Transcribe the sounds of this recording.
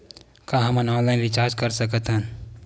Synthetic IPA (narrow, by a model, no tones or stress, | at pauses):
kaɦɐmə̃nɔ̃ːnlaːɪnʋɪt͡ʃaːɾd͡ʒkəɾsəkət̪ɦɛ̃n